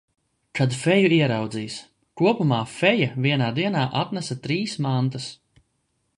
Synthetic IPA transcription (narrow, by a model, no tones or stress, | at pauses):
kad̪fɛjuiɛɾawd̪ziːs | kuɔpumaːfɛjaviɛnaːd̪iɛnaːʔat̪næsat̪ɾiːsmant̪as